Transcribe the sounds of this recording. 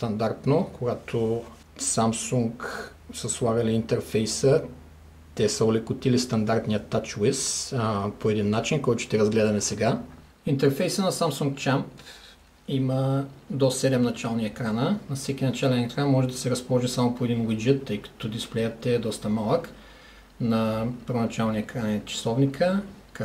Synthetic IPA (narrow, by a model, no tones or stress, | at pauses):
st̪ɐnd̪aɾt̪nokʰoɡat̪ʰo | samsuŋk | səslˠaɡɐliint̪ɛɾfɛjsə | t̪ɛsəolɛkʊt̪ilist̪ɐnd̪aɾt̪nijət̪ːat͡ʃwɪspoɛd̪inːat͡ʃinkɔjt̪ʊʃɛ̥t̪ɛɾɐzɡlɛd̪ɐmɛsɛɡa | int̪ɛɾfɛjsənɐsamsuŋk̚t͡ʃamp | iməd̪ɔsɛd̪ɛmnɐt͡ʃalˠniɛkɾanənɐfsɛkʲinɐt͡ʃalɛnɛkɾanmɔʒɛd̪ɐsɛɾɐspolˠɔʒisamopoɛd̪inɡuid͡ʒɛt̪ːəjkɐ̥t̪od̪isplɛjət̪ɛːd̪ɔst̪ɐmalˠək | nɐpəɾvonɐt͡ʃalˠniɛkɾanit͡ʃi̥sɔvnikʰək